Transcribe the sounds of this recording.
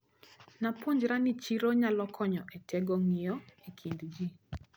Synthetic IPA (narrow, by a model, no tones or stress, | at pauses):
napoɲd͡ʒɾanɪt͡ʃiɾoɲalɔkʰɔɲɔʔetɛɡɔŋɪɔekʰindd͡ʒi